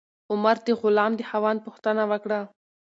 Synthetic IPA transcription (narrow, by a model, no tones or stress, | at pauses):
ʊmaɾd̪əɣʊlɑmd̪əhawɑnpʊxt̪ənawəkɽa